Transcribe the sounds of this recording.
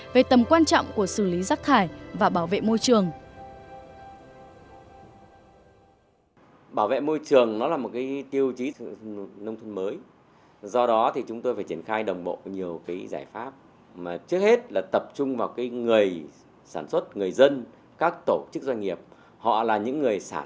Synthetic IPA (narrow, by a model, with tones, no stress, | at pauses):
ve˨˩t̪ə˨˩mkwaː˧nt͡ɕɔ̰˧˨wŋ͡mku˧˩əsɨ˧˩li˨˦zaː˦˥k̚t̪ʰaː˧˩jvaː˨˩ɓaː˧˩wvḛ˧˨mo˧jt͡ɕɨ˨˩əŋ | ɓaː˧˩wvḛ˧˨mo˧jt͡ɕɨ˨˩əŋnɔ˨˦laː˨˩mo˨˩t̚kaː˨˦jt̪i˧əwt͡ɕi˨˦˧nə˧wŋ͡mt̪ʰə˧nməː˨˦j | zɔ˧ɗɔ˨˦t̪ʰi˨˩t͡ɕʊ˨˦ŋ͡mt̪o˧jfaː˧˩t͡ɕi˧˩ənxaː˧jɗə˨˩wŋ͡mɓo̰˧˨ɲi˨˩əwkaː˨˦jza̰ː˧˩jfaː˦˥p̚ | maː˨˩t͡ɕɨ˦˥ək̚he˦˥t̚laː˨˩t̪ə˨˩p̚t͡ɕʊ˧ŋ͡mvaː˨˩wkaː˨˦jŋɨ˨˩əj | saː˧˩nswə˦˥t̚ŋɨ˨˩əjzə˧n | kaː˦˥k̚t̪o˧˩t͡ɕɨ˦˥k̚zwa˧ɲ̟ŋi˨˩əp̚ | hɔ̰˧˨laː˨˩ɲɨ̰˧˥ŋːɨ˨˩əjsaː˧˩